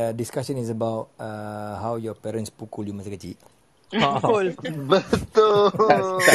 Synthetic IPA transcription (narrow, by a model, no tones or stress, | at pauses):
diskasə̃nis̬əbawt̚əɦawjɔpɛɾə̃nspukuljumasakət͡ʃḭʔ | kʊlbət̪ʊ